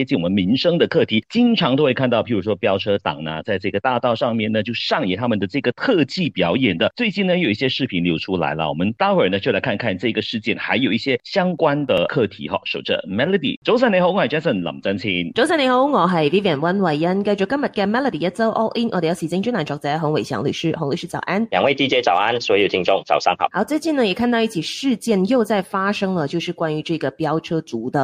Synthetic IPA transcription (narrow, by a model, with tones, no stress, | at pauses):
jɛ˥t͡ɕi˥˩nwɔ˨˩ə˦nmi˧˥ŋʂɤ˥ŋd̪ə˨kʰɤ˥˩t̪ʰi˧˥t͡ɕi˥nʈ͡ʂʰɑ˧˥ŋt̪o˥ʊwe˥˧ɪkʰa˥˧nt̪ɑ˥˩ʊpʰi˧˥˩ɻu˧˥ʂwɔ˥pjɑ˥ʊʈ͡ʂʰɤ˥t̪ɑ̰˨˩ŋnɐ̰˦t͡sa˥˧ɪʈ͡ʂɤ˥˩ɡə˩t̪a˥˧t̪ɑ˥˧ʊʂɑ˥˧ŋmjɛ˥˩nə˩t͡ɕjo˥˧ʊʂɑ˥˩ŋjɛ˨˥t̪ʰa˥mə˨nd̪ə˩ʈ͡ʂɤ˥˩ɡə˩t̪ʰɤ˥˧t͡ɕi˥˩pjɑ˧˥ʊjɛ˨˩nd̪ə˦t͡swe˥˧ɪt͡ɕi˥˩nnə˧jo˨˩ʊi˥˩ɕjɛ˥ʂɻ̩˥˩pʰi˧˥nljo˧˥ʊʈ͡ʂʰu˥la̰˧˥ɪlə̰˧wɔ˨˩mə˦nt̪ɑ˥ə˞˨˩nə˦t͡ɕjo˥˩ʊla˧˥ɪkʰa˥˧nɪkʰa˥˧nʈ͡ʂɤ˥˩i˧˥ɡə˩ʂɻ̩˥˧t͡ɕjɛ˥˩nxa˧˥ɪjo˨˩ʊi˥˩ɕjɛ˥ɕjɑ˥ŋkwa˥nd̪ə˨˩kʰɤ˥˩t̪ʰḭ˧˥xɑ̰˧˩ʂo˨˩ʊʈ͡ʂə̰˧mɛ˥lə˧d̪ḭ˨˩ʈ͡ʂo˧˥ʊs̬a˥˩ne˧˥xo˧˥a˨˩t͡ɕa˥sə˥˨˩nlɑ̰˨˩ŋt͡sa˥nt͡ɕʰi˥nʈ͡ʂo˧ʊsa˥˩ne˧˥xo˧˥ʊʊ˥ŋɔ˨˩ɦa˧˥ɪ˨˩i˥pjɛ˨˩nwa˥nwa˨˩ɪə˥nka˥ɪʈ͡ʂɔ˥˩kə˥nmə˨˩ka˥˩ɪmɛ˥lə˨˩d̪i˨ə˥t͡so˥ʊʔo̰˥ʊʔi˥nʔə̰˧˩˨jɑ˧˥ʊɕi˧˥t͡ɕnt͡ɕy˥na˨˥nʈ͡ʂɑ˨˥˩ŋt͡sa˧˥˧xʊ˧˥ŋwe˨˩ɪɕjɑ̰˧˥ŋly̰˨˩ʂɻ̩˥xo˧˥ŋly˨˩ʂɻ̩˥t͡sɑ̰˨˩ʊʔa˥nljɑ̰˨˩ŋwe˥˩ɪt̪i˥˧t͡ɕjɛ˧˥t͡sɑ˨˩ʊa˥nswɔ˧˥jo˨˩t̪ʰi˧˥ŋʈ͡ʂʊ˥˩ŋt͡sɑ̰˨˩ʊsɑ˥ŋɑ̰˨˩˦ɑ˧˥ʊt͡se˥˧ɪt͡ɕi˥˩nə˩jɛ˨˩kʰa˥˧nt̪ɑ˥˧ʊi˥˩t͡ɕʰi˨˩ʂɻ̩˥˧t͡ɕjɛ˥˩njo˥˧ʊt͡sa˥˩ɪfa˥ʂɤ˥ŋlə˨t͡ɕjo˥˧ʊʂɻ̩˥˩kwa˥ny˧˥ʈ͡ʂɤ˥˩˥ɡə˩pjɑ˥ʊʈ͡ʂʰɤ˥t͡su˧˥d̪ə˨